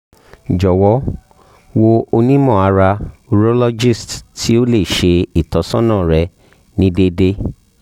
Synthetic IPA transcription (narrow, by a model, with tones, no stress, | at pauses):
d͡ʒɔ˨wɔ˨˦ | wo˧o˧nĩ˦mɔ̃˦˨a˨˧ɾa˧u˧ɾo˦lɔ˦d͡ʒi˦˨stti˦o˦le˦˨ʃe˧i˨tɔ˨˦sɔ̃˦nãː˦˨ɾɛ˧ | nĩ˦de˧de˦